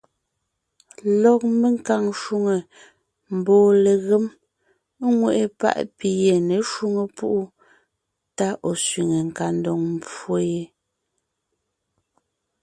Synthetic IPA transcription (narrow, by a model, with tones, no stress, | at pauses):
lɔ˨k̚me˦ŋ˦ka˨ŋʃu˦ŋe˨ | m̩˨bɔː˨le˨ɣe˦m˦ | ŋwe˨ʔe˨pa̰˦ʔpi˨je˨ne˨ʃu˦ŋe˨pu˦ʔu˦ | ta˦ʔɔ˨sɥi˨ŋe˨ŋ̩˨ka˨n˦dɔ˨ŋm˨po˦je˨˦